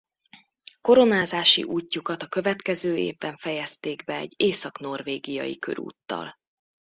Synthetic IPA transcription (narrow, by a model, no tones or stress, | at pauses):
ko̞ɾo̞naːzaːʃḭʔuːcːukɒt̪ɒkø̞vɛt̪kɛzøːeːvbɛɱfɛjɛst̪eːɡbɛɛɟːeːsɒkn̪o̞rveːɡijɒ̰jḭkø̰ɾṵːt̪ːɒ̰l